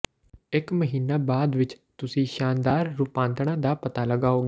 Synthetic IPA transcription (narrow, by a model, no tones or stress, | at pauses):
ɪkməɦiːnaːbaːd̪ʋɪt͡ʃt̪ʊsĩːʃaːnd̪aːɾːupãːnt̪ɳ̃ãːd̪aːpət̪aːləɡaːɦoːɡeː